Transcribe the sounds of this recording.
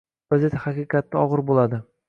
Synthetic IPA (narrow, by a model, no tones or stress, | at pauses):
azet̪ʰhaqiqɑt̪ːɪɒʁɨɾbolˠad̪ɪ